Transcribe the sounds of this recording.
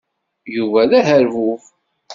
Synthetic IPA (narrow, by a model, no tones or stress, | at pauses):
juvæðæhəɾvuf